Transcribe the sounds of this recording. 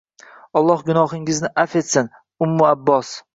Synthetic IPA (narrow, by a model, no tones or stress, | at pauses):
ɒlˠːɒhɡʲʊnɒhɪŋɪznɪʔafe̞t̪san | ʊmːʊabːɒs